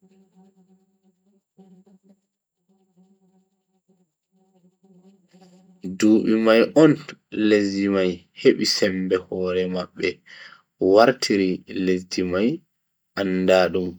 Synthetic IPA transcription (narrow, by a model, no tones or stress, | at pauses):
duːɓimajʔɔnlezimajheɓisɛmbɛhɔːɾɛmaɓːɛ | waɾtʰiɾilezdimaj | ʔanːdaːɗum